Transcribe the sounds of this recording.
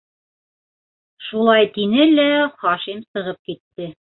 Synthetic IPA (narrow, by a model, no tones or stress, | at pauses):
ʃulˠɑjt̪inɘlæχɑʃimsɤ̆ʁɤp̚kit̪ːɘ